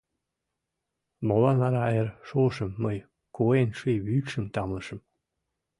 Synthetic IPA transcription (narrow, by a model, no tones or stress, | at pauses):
molɑnɑɾɑjerʃoʃə̆mːɤj | koenʃijβykʃə̆mt̪ɑmlɤ̆ʃə̆m